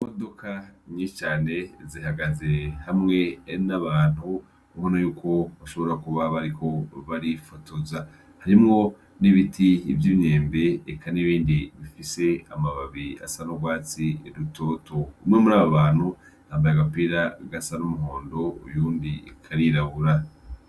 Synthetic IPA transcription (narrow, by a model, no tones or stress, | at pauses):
modo̞kʰaɲit͡ʃaːne̞zihaɡazehamŋe̞naβaːn̥hu | uhonajuːkʰo̞βaʃo̞βo̞ɾakuβaβaɾikʰo̞βaɾifotʰoza | haɾimŋo̞ | niβitʰiːvjiβɲe̞ːmbe̞ːkʰaniβiːndiβifise̞a̰maβaβia̰sanoɡwaːt͡siɾutʰo̞ːto̞umŋe̞muɾaːβoβaːn̥hu | haːmbajakapiːɾaɡasanumuɦo̞ːndo̞ṵjuːndḭkʰaɾiɾaβuɾa